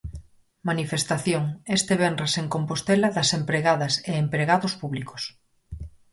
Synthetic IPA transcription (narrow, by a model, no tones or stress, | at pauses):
manifest̪aθjoŋest̪eβenreseŋkompost̪elaðɐsempɾeɣaðɐseempɾeɣaðʊspuβliko̥s